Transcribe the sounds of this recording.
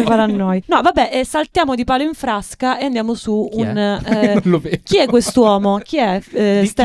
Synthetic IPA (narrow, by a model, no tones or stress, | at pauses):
faɾanːojnɔvabːɛʔsalt̪jaːmod̪ipaːloiɱfɾaskaeand̪jaːmosuːn | k̟iɛkːwest̪wɔːmok̟iɛst̪ɛ